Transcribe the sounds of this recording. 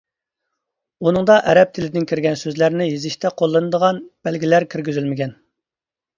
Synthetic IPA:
unɨŋd̪ɑʔɛɾɛp̚t̪ʰɪlɪd̪ɪnkʲʰiɾɡʲɛnsøzlæɾnɪjizɪʃt̪ɛqʰolˠːɨnɨd̪əʁɑnb̥ælɡʲilæɾkʲʰyɾɡʲyzylmɪɡʲɛn

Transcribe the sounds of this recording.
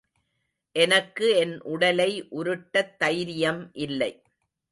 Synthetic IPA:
ʔɛnɐkːɯɛnʔʊɽɐlɐɪʔʊɾɯʈːɐt̪ːɐjɾɪjɐmʔɪlːɐɪ

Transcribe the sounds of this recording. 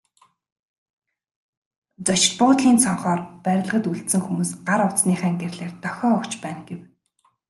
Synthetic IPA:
t͡sɔt͡ɕ̆ɮpʊːt̪ɮiːnsʰɔɴχɔːrpæɾʲɪ̆ɮʁə̆t̪uɮt̪sɘ̆ŋxumuːsɢaɾʊsniːχæːŋɡerɮeːrt̪œxʲɔːkt͡ɕpæːnɡ̥ew

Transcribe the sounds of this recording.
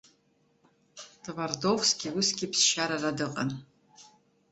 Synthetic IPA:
tvardovskʲiwʊskʲipsʃaɾaradɨqʼɐ̰n

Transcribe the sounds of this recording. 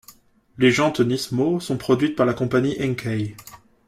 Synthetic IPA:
leʒɑ̃t̪ɔnismosɔ̃pχɔd̪ɥit̪̚paʁlakɔ̃paɲiʔɛ̃ŋkʰɛj

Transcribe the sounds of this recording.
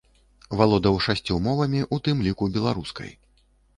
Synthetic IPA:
valˠɔd̪ɐwʂasʲt͡sʲumɔvɐmʲiʔut̪ɨmlʲikubʲɛlˠaɾuskɐ̰j

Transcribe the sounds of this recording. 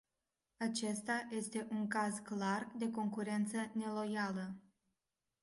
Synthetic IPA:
at͡ʃe̞st̪aje̞st̪e̞ʔuŋkazklard̪e̞ko̞ŋkuɾe̞nt̪səne̞lo̞jalə

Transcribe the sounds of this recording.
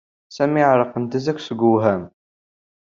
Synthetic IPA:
sæmiʕɾˤəqːənt̪əzæksəɡəwɦæm

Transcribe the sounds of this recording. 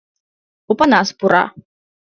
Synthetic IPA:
upanaspuɾa̰

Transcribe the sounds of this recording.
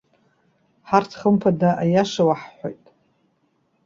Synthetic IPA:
ħartʰχəmpʰadaʔajaʂawaħħʷᶣojtʼ

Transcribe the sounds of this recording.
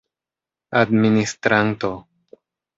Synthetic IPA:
ad̪minist̪ɾant̪o

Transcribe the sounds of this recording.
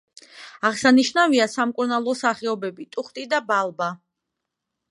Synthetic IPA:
aʁsaniʃnaviasamkʼuɾnalˠɔsaχɛɔbɛbit̪ʼuχt̪ʼid̪abalˠba

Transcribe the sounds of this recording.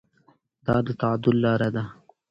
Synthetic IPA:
d̪̥ɑːd̪ət̪ad̪ʊlːɑːɾad̪a

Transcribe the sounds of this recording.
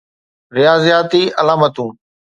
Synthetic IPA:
ɾɪjaːzijaːt̪iːʔɐlaːmət̪ũː

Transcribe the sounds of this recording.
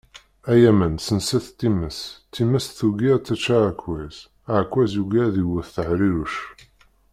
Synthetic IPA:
æjæmənsənsæθt̪ːiməst̪ːimæsθuɡiɾt͡s̪ːæt͡ʃːaɾakwæz | aʕkːwæzjuɡæðiwəθθəʕɾiɾuʃ

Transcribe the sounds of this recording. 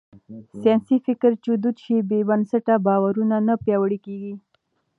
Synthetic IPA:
sjɑnsifɪkəɾt͡ʃud̪ut̪ʃibebansaʈabɑwaɾunanapjɑwəɽikeɡi

